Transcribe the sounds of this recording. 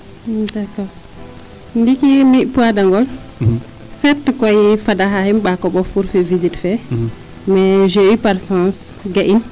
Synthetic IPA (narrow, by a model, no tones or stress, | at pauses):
dakɔɾ | ndikimiʔpuadaŋɡɔl | sɛɾtkɔjfadaɦahɛmɓakɔɓɔfuɾfɛvizitfɛ | mɛʒɛipaɾsãs | ɡaʔin